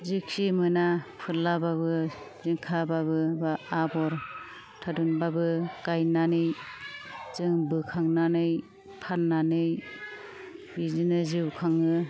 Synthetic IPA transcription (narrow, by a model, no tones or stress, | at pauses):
zɯksimɯnapʰɯlabaβɯ | ziŋkʰababɯbaabɔɾ | tʰadunbabɯkajnanɯj | zɯŋbɯkʰaŋnanɯj | pʰanːanɯj | bizinɯziwkʰaŋɯ